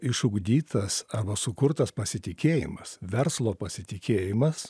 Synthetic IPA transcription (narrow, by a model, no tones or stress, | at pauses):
ɪʃʊɡd̪ʲiːt̪ʰɐsɑːbɐsʊkʊɾt̪ɐspɐsʲɪt̪ʲɪkʲeːjɪ̰mɐsʋʲɛɾslˠoːpɐsʲɪt̪ʲɪkʲeːjɪmɐs